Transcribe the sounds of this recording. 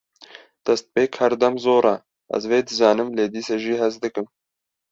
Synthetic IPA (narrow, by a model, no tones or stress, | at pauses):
d̪̥ɛst̪̚peːkhɛɾd̪ɛmzoːɾɑ | ʔɛ̰zveːd̪ɨzɑːnɨmleːd̪iːsɛʒiːɦɛzd̪ɨkɨm